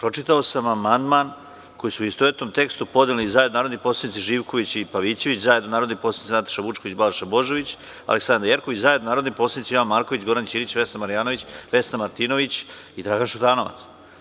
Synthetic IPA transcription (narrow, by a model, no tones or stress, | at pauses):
pɾo̞t͡ʃit̪aosamamand̪man | ko̞jisuist̪oʋet̪no̞mt̪e̞kst̪upo̞d̪elizaːjed̪onaːɾod̪nipo̞ːslad̪nit̪siʒiːʋko̞ʋit͡ɕipaʋit͡ɕe̞ʋit͡ɕzajed̪onaːɾod̪niposanit̪snat̪ḁʃaʋut͡ʃkoit͡ɕbalʃabo̞ʒeʋit͡ɕ | a̰leksand̪ɾjeɾkoʋit͡ɕzajed̪nonaːɾod̪nipo̞sanit̪sioʋanmaːɾko̞ʋit͡ɕɡo̞ɾant͡ɕiːɾit͡ɕʋe̞snamaɾijaːnoʋit͡ɕʋe̞snamaɾt̪ino̞ʋit͡ɕid̪ɾaɡanʃut̪aːno̞ʋa̰t̪s